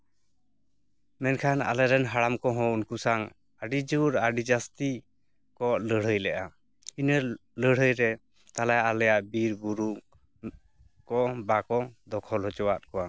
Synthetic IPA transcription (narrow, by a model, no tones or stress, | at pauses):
mɛnkʰana̰lɛɾɛnɦaɽamkɔɦɔ̃unkusaŋ | aɖid͡ʒuɾaɖid͡ʒast̪i | kɔʔləɽ̤əjlɛʔa | inələɽ̤ɦəjɾɛ | t̪alajaʔalɛjaʔbiɾbuɾu | kɔbakɔd̪ɔkʰɔlɦɔt͡ʃɔwat̪̚kɔwa